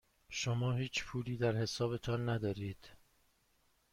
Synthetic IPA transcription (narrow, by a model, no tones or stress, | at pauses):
ʃomɒːɦiːt͡ʃʰpʰuːliːd̪æɾhe̞sɒːbe̞t̪ʰɒːnːæd̪ɒːɾiːd̪̥